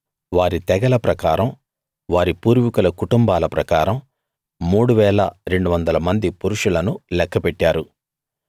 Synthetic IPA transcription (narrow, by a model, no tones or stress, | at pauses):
ʋaːɾit̪ɛɡɐlɐpɾɐkaːɾɐm | ʋaːɾipuːɾʋikulɐkuʈumbaːlɐpɾɐkaːɾɐmː | uːɽuʋɛːlɐɾe̞ɳɖuʋɐnd̪ɐlɐmɐnd̪ipuɾuʂulɐnulɛkːɐpɛʈːaːɾu